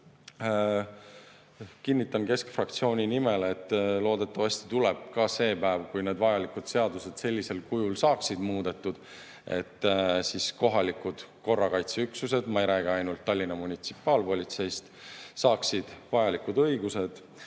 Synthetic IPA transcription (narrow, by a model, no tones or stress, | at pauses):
kinʲːit̪ːˑɑnke̞skfrɑk̚t̪sio̞ːnʲinime̞let̪ːlo̞ːd̪̥e̞t̪ːˑɑvɑst̪i̥t̪uleb̥̚kɑse̞ːpæevkujne̞ːd̪vɑjɑlikˑud̪̥se̞ɑd̪use̞d̪̥se̞lʲːise̞lkujulsɑːksid̪̥muːd̪̥e̞t̪ːˑud̪̥ | e̞̰t̪ːsisko̞ɦɑlikud̪̥ko̞rːɑkɑjt̪seyksuse̞d̪̥mɑjɾæɡeɑjnult̪ːɑlʲːinːɑmunʲit̪si̥pːˑɑːlpo̞lʲit̪se̞jst̪sɑːksid̪̥vɑjɑlikud̪ɤ̞jɡ̥use̞d̪̥